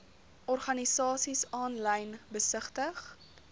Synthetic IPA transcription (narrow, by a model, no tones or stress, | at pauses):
ʔɔrχɐnisɑːsisɑːnlɛjnbəsəχtəχ